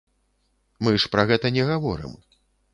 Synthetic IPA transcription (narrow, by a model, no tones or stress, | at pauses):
mɨʂpɾɐɣɛt̪ɐnʲɛɣavɔ̰ɾɨ̰m